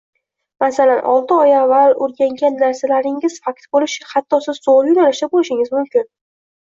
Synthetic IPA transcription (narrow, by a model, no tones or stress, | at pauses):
masalanʔɒ̰lˠt̪ʰɪɒjavːaloɾɡʲaŋɡʲanːaɾsalaɾɪŋɪz̥fak̚t̪bolɪʃɪhat̪ʰːɒsɪzːoljʊnaɾaʃt̪abolɪʃɪŋɪzmʊmkʲɪn